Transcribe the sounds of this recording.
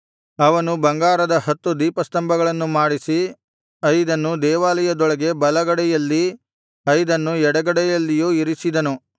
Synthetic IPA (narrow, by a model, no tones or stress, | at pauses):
ɐʋɐnubɐŋɡaːɾɐd̪ɐɦɐt̪ːud̪iːpɐst̪ɐmbʱɐɡɐɭɐnːumaːɽisi | ɐjd̪ɐnːud̪ɛːʋaːlɐjɐd̪ɔɭɐɡe̞bɐlɐɡɐɽɛjɐlːi | ɐjd̪ɐnːuɛɽɐɡɐɽɛjɐlːijuːiɾisid̪ɐnu